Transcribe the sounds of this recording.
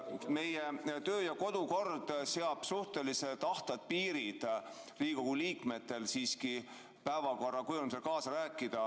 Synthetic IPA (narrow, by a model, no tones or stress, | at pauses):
me̞jet̪ø̞ːjɑko̞d̪̥uko̞rd̪̥se̞ɑb̥suht̪e̞liset̪ɑht̪ɑd̪̥̚piːɾid̪̥ | riːko̞ɡ̥uliːkme̞t̪ːe̞lsiːski | pæevɑko̞rːɑkujumselkɑːsɑɾæːkːˑid̪̥ɑ